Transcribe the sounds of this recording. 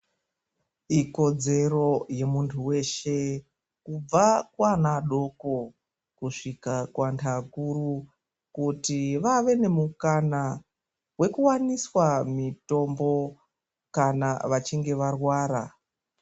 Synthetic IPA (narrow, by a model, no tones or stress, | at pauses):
iko̞d͡ze̞ro̞je̞muntʰuwe̞ʃe̞ | kub͡vakwanaɗo̞ko̞ | kuʂikakwantʰakuru | kutiʋaʋe̞ne̞mukana | we̞kuwaniswamito̞mbo̞ | kanaʋat͡ʃiŋɡe̞ʋarwaːɾa